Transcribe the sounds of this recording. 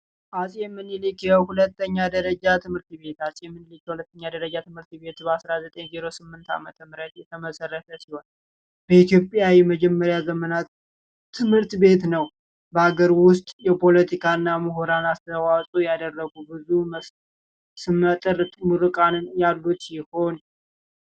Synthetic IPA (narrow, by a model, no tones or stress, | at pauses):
ʔasʼjɛmːɨnilikjɛhulət̪ːəɲːad̪əɾəd͡ʒat̪ʰɨmhɨɾt̪βe̞t̪ʰasʼjɛmːɨnlikjɛhulət̪ːəɲːad̪əɾəd͡ʒat̪ʰɨmhɨɾt̪be̞t̪bəasɾazət̪ʼəɲziɾo̞sɨmːɨnt̪ʰa̰mət̪ʰəmɨɾət̪jɛt̪ʰəməsərːət̪ʰəsiho̞n | bəit̪ʰjo̞pʼjawiməd͡ʒɛmːəɾjazəmənat̪ʰː | ɨmhɨɾt̪be̞t̪nəw | bəaɡəɾwʊst̪ʼjɛpʰo̞lət̪ʰikʰaɨnːamɨɦuɾanast̪ʰəwasʼujad̪ərːəɡubɨzumə | sɨmːət̪ʼɨɾʼmuɾɨkʼanjalːut̪jɪho̞n